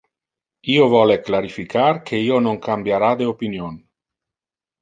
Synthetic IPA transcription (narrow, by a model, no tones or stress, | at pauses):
iːovɔleklaɾifikarkʰeiːonoŋkambjaɾad̪eopinjon